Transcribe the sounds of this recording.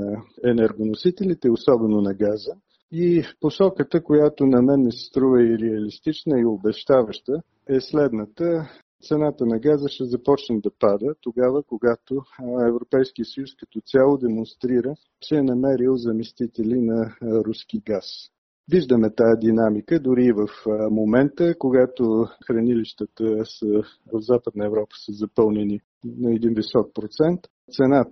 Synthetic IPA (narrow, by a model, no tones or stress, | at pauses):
ɛnɛɾɡonosit̪ɛlit̪ɛosɔbɛnonɐɡazə | iposɔkət̪əkojat̪onɐmɛnmɛsst̪ɾuvəiɾɛɐlist̪it͡ʃnəiobɛʃt̪avəʃt̪ə | ɛslɛd̪nət̪ə | t̪sɛnat̪ənɐɡazəʃɛzɐpɔt͡ʃnəd̪ɐpad̪ət̪oɡavəkoɡat̪oɛvɾopɛjskiəsəjuskɐt̪ɔt̪sʲalˠod̪ɛmonst̪ɾiɾə | t͡ʃɛːnɐmɛɾilˠzɐmɛst̪it̪ɛlinɐɾuskiɡas | viʒd̪əmɛt̪aɛd̪inamikəd̪ʊɾiːvəfmomɛnt̪əkoɡat̪oxɾɐniliʃt̪ət̪əsə | od̪zapəd̪̚nəɛvɾɔpə̥səzɐpɤlˠnɛni | nɐɛd̪invisɔk̚pɾot̪sɛnt̪ | t̪sɛnat̪